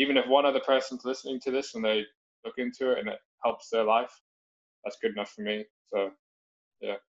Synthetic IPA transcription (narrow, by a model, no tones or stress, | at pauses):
ivɨ̃nɨfwʌ̃nʌðəpʰɜ˞sn̩zlɪsnɪ̃ŋtʰɨðɪsə̃nðeɪ | lʊkɪ̃ntʰʉɪtɨ̰̃nɪ̰t̚hɛlˠpsðə˞laɪf | ðætsɡ̥ʊɾɨnʌfəmi | soʊ | jæ̰